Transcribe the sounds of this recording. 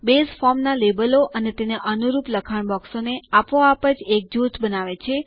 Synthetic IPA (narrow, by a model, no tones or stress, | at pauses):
besfɔɾmnalebəloʔənet̪eneʔənuɾupləkʰaɳbɔksoneapʋoapəd͡ʒek̚d͡ʒut̪ʰbənaʋet͡ʃʰe